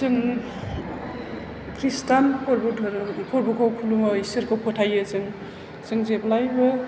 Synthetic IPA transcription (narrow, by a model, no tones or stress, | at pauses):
zɯŋ | kʰɾistankʰɔɾbʰkʰɔɾbukʰawkʰulumɔisɯɾkʰowpʰɔtʰajɯzɯŋ | z̥ɯŋzeblajbɯ